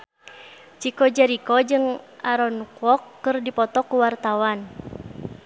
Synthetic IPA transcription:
t͡ʃikɔd͡ʒaɾikɔd͡ʒɨŋʔaɾɔnkɔkːɨrdipɔt̪ɔkuwart̪awan

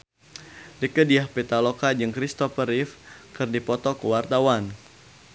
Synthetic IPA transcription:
rikədiahpɛt̪alokad͡ʒɨŋkɾist̪ɔfəɾifkɨrdipɔt̪ɔkəwart̪awan

